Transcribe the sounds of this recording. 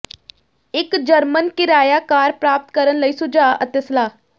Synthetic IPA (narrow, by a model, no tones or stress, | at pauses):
ɪkd͡ʒəɾmənkɪɾaːjaːkaːɾpɾaːp̚t̪kəɾənləiːsʊd͡ʒaːət̪eːsəlaː